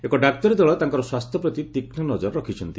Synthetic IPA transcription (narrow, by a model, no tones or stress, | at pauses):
ekɔɖak̚t̪ɔɾed̪ɔɭɔt̪aŋkɔɾɔswast̪ʰjɔpɾɔt̪it̪iknɔnɔd͡ʒɔɾɾɔkʰit͡ʃʰɔnt̪i